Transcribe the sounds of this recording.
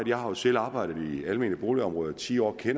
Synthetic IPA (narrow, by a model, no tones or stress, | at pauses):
ð̩ˠjɑ̈ɪhɑ̈jo̝sel̰ɑ̈ːb̥ɑ̈ɪ̰ɾ̥ð̩ˠiælme̝ːnlib̥o̝ːliɒ̽mʁɔ̽ːð̩ˠt͡sʰḭːɒ̰ːkʰen̰